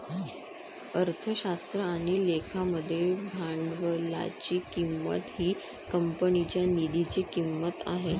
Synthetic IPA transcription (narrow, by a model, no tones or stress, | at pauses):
əɾt̪ʰəɕast̪ɾəaɽ̃ilekʰaməd̪ʱːjebʱaɳɖʋəla̰t͡ɕiːkimːə̰t̪ɦiː | kəmpənit͡ɕjanid̪ʱit͡ɕiːkimːət̪a̰ɦe